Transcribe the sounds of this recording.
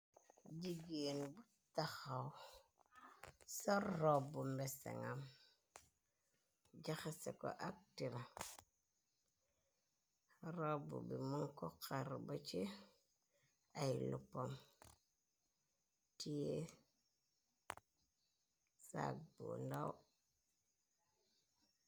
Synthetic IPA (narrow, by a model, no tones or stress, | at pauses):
d͡ʒiɡinbu | tːaxaw | soɾːobumbesḛŋam | d͡ʒaxasḛko̰ʔak̚tiɾa | ɾobṵbimuŋkokʰaɾbot͡ʃe | ajilupːom | tije | sa̰k̚bṵndau